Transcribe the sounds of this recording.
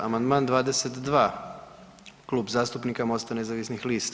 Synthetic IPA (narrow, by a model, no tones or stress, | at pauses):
a̰mand̪maːnd̪ʋaːd̪eset̪d̪ʋaː | klˠuːbzaːst̪upnikamo̞st̪ane̞zaʋisnixliːst̪